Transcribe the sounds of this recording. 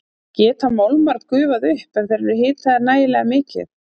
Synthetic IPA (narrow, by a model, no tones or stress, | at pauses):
cɛːt̪amowlmaɾt̪kʏːvaðʏhpɛmθɛɾʏɦɪːt̪θɛaɾnaːjɪlɛɣamɪːcɪ̰θ